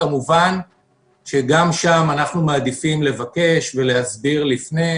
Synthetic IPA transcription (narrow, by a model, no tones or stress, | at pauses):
amuvan | ʃe̞ɡamʃamanaχnumaːd̪ifimle̞vake̞ʃve̞le̞hazbiʁlifne